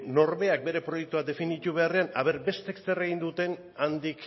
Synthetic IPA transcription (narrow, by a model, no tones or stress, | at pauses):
no̞ɾβe̞ak̚be̞ɾe̞pɾo̞jek̚t̪uad̪e̞finit̪uβ̞e̞are̞anaβe̞ɾbe̞st̪eksere̞ɣ̞ind̪ut̪e̞n | and̪ik